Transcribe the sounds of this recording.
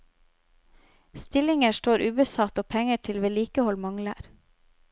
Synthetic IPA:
st̪ɪlɪŋəʃʈoːɾʔʉːbəsɑt̪oːpʰɛŋəʈʰɪlʋeːliːkəhɔlmɑŋlə̰ɾ

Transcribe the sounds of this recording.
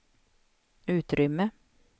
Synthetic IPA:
ʉːt̪ɾʏmːə

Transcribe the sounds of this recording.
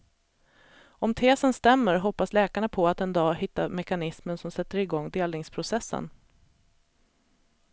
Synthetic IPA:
ɔmt̪ʰeːsənst̪ɛmːəɾɦɔpːaslɛːkaɳapʰɔat̪ɛnd̪ɑːhɪt̪ːamɛkanɪsmənsɔmsɛt̪ːəɾɪɡɔŋːd̪eːlnɪŋspʰɾʊsɛsːə̰n

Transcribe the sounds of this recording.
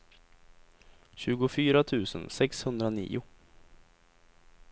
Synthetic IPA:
ɕʉ̟ːɡʊfyːɾat̪ʰʉ̟ːsə̰nsɛkshɵnd̪ɾanḭːʊ

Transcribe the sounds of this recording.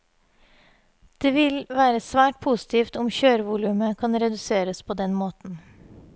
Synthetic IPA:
d̪̥eːʋɪlʋæːɾəsʋæːʈ̚pʰusɪ̥t̪ʰiːft̪ʊmçøːɾəʋuːlʉːməkʰɑnɾɛd̪ʉseːɾəspʰoːd̪ɛnmoːt̪n̩

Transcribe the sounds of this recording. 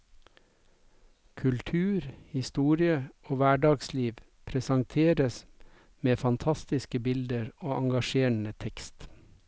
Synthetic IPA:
kʰʉlt̪ʰʉːɾhɪst̪uːɾɪəoːʋæːɖɑːɡsliːʋ | pʰɾɛsɑŋt̪ʰeːɾəs | meːfɑnt̪ʰɑst̪ɪskəbɪld̪əɾoːʔɑŋɡɑʃeːɳət̪ʰɛkst̪

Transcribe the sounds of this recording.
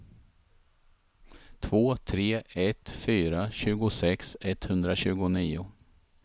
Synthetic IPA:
t̪ʰvoːt̪ʰɾeːɛt̪fyːɾaɕʉ̟ːɡʊsɛksɛt̪hɵnd̪ɾaɕʉ̟ːɡʊniːʊ

